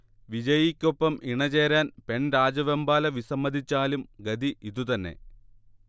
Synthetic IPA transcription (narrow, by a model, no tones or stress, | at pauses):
ʋid͡ʑɐjikʲːo̞pːɐmʔiɳɐt͡ɕe̞ːɾaːnpe̞ɳɾaːd͡ʑɐʋembaːlɐʋisɐmːɐd̪ʱit͡ɕːaːlumɡɐd̪iʔiðut̪ɐnːe̞̰